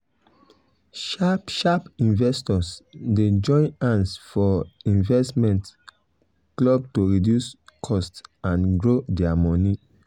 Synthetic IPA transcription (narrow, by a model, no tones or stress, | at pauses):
ʃapʃapĩnvɛstɔsded͡ʒɔ̃ɪ̃nãnsfɔĩnvɛstmɛ̃nt | klɔb̚toɹidjuskʰɔstãnɡɹodɛamɔni